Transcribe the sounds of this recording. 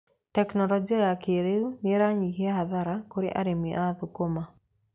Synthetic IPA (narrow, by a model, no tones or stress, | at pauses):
tɛknɔlɔd͡ʒiajakeɾeuneɾaɲikeaɦaðaɾakoɾḛʔa̰ɾemiʔaðʊkoma